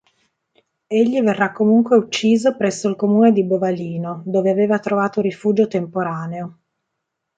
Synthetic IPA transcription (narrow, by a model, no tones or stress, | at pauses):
eʎːiverːakːomuŋkweut͡ʃːiːzopɾɛsːoilkomuːned̪ibovaliːnod̪oːveaveːvat̪ɾovaːt̪orifuːd͡ʒot̪empoɾaːneo